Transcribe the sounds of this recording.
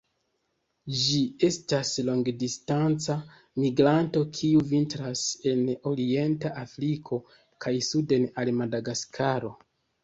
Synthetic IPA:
d͡ʒie̞stasloŋɡdistant͡sa | miɡɾanto̞kʰiuvintɾase̞no̞ɾie̞ntaʔafɾikʰo̞ | kʰajsude̞nalmadaɡaskʰaɾo̞

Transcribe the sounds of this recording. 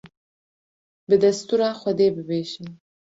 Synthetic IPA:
bəd̪ast̪uɾaχʷwad̪ebəbeːʃin

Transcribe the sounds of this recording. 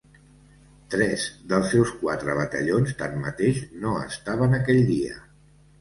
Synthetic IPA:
t̪ɾɛz̥ðəlˠsːɛwskwat̪ɾəβət̪ə̰ʎonst̪ammət̪eʃnoə̰st̪aβənəkɛʎd̪iə̰

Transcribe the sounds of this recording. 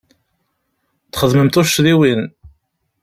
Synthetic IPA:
t̪χəðməmt̪ʊʃːðiwin

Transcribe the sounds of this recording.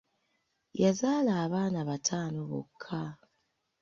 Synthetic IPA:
jazaːlaːβaːnaβatʰaːnoβo̰kʰːa

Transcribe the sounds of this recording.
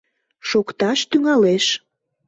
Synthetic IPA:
ʃokt̪ɑʃt̪yŋɑleʃ

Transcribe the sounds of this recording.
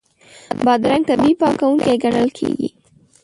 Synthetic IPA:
bɑd̪ɾaŋɡ̚t̪abipɑkawuŋkeeɡaɳəlkʰḛɡḭ

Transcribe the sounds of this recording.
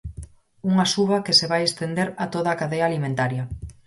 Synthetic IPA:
uŋasuβɐkeseβajest̪end̪eɾat̪oðaːkaðejaːlimẽnt̪aɾjɐ

